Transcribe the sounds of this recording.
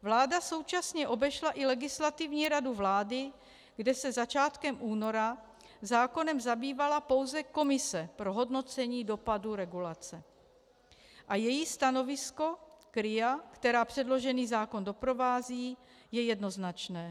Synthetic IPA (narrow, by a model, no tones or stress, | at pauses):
vlaːdaso̞wt͡ʃasɲɛʔo̞bɛʃlaʔɪlɛɡɪslat̪ɪvɲiːɾaduvlaːdɪ | ɡdɛsɛzat͡ʃaːt̪kɛmʔuːno̞ɾa | zaːko̞nɛmzabiːvalapo̞wzɛko̞mɪsɛpɾo̞ɦo̞dno̞t͡sɛɲiːdo̞paduɾɛɡulat͡sɛ | ʔajɛjist̪ano̞vɪsko̞kɾɪjakt̪ɛɾaːpr̝̥ɛdlo̞ʒɛniːzaːko̞ndo̞pɾo̞vaːziː | jɛjɛdno̞znat͡ʃnɛː